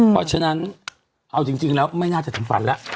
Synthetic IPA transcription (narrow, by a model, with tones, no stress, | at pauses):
pʰɔ˦˥t͡ɕʰa˧˥˧na˦˥n | ʔa˧wt͡ɕi˧ŋt͡ɕi˧ŋlɛː˦˥wma˥˩jnaː˥˩t͡ɕa˨˩t̪ʰɯ˩˦ŋfa̰˩˦nla˦˥ʔ